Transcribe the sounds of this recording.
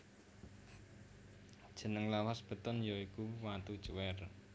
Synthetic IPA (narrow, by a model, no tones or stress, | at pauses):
d̥ʒ̥ə̤nəŋlawasb̥ə̤t̪ɔnjoikuwat̪ud̥ʒ̥uwɛr